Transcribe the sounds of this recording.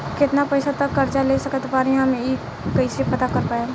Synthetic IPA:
kɪt̪napɐɪsat̪ɐkːɐɾt͡ʃaleːsɐkət̪paːɾeɦɐmi | kɐisepɐt̪akɐɾpaːe

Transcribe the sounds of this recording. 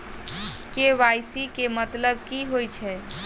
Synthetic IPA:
keʋajsikemət̪ləb̚kiɦojt͡ʃʰɛ

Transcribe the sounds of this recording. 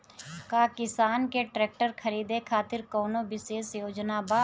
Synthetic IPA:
kaːkɪsaːnkeʈɾɛːk̚ʈəɾkʰəɾiːd̪ekʰaːt̪ɪɾkɔːnõʋɪʃeːsjoːd͡ʒnabaː

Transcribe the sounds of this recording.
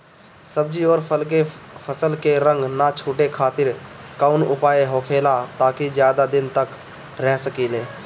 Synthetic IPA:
səb̚d͡ʒioːɾpʰəlkepʰəsəlkeɾə̃ŋɡnat͡ʃʰuːʈekʰaːt̪ɪɾkaːʊnʊpaːeɦoːkʰeːlat̪aːkizjaːd̪ad̪ɪnt̪ək | ɾɛɦsəkileː

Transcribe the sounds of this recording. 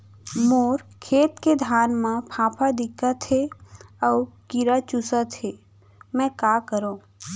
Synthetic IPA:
moːɾkʰeːt̪ked̪ʱaːnmãpʰãːpʰad̪ɪkat̪ʰeɔːkiɾat͡ʃʊsat̪ʰeː | mɛ̃kaːkəɾõː

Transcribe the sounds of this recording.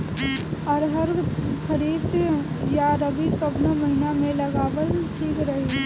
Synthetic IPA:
ɔːɾɦɐɾkʰɐɾiːbs | jaɾəbʱikɐbnamɐɦinamẽlɐɡaːʋəlʈʰiːkɾɐɦi

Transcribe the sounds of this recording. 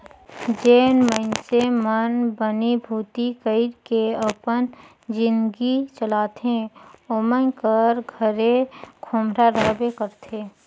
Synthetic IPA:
d͡ʒeːnmənsemənbənibʱuːt̪ikəɪɾkeəpən | d͡ʒɪ̃nd̪ɡit͡ʃəlaːt̪ẽoːmənkəɾɡʱəɾekʰoːmɾaɾəɦbekəɾt̪ʰeː

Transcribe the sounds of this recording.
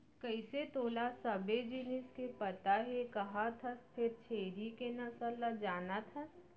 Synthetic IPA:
kəɪset̪oːlasɐbed͡ʒɪnɪskepɐt̪aɦekɐɦat̪ʰɐst̪ʰɪɾt͡ʃʰeːɾikenɐsəlːad͡ʒaːnat̪ʰa

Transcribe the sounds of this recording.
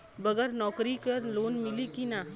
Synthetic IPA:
bɐɡəɾnɔːkɾikɐɾloːnmɪlikina

